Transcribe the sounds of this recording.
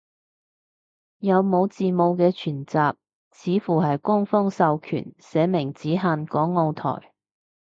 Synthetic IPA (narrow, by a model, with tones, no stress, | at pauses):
jɐ˨˧wmo˨˧wt͡siː˨mo˨˧wkɛː˧t͡ʃʰyː˨˩nt͡saː˨p̚ | t͡sʰiː˨˥fuː˨˩ɦɐ˨jkʊ˥ŋfɔː˥ŋsɐ˨wkʰy̰ː˨˩nsɛː˨˧mɪ˨˩ŋt͡siː˨˥ɦaː˧nkɔː˨˥ŋːo˧wt̪ʰɔ̰ː˨˩j